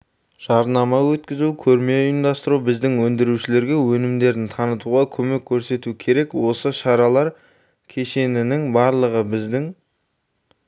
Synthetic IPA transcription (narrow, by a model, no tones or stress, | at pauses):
ʒ̥ɑɾnɑmɑwɵt̪kʲɪzukʲʰɵɾme̞ɪnd̪ɑst̪əɾubɪzd̪ɪŋwɵnd̪ɪɾuʃɪle̞ɾɡʲe̞wɵnɪmd̪e̞ɾɪnt̪ʰɑnət̪uʁɑkʲʰɵme̞kʲʰːɵɾse̞t̪ukʲʰe̞ɾe̞kwo̞səʃɑɾɑlˠɑɾ | kʲʰe̞ʃe̞nɪnɪŋbɑɾlˠəʁəbɪzd̪ɪŋ